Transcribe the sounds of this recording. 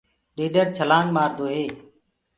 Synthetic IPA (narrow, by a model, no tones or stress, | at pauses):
ɗeːɗəɾt͡ʃʰəlaːnmaːɾd̪oːɦeː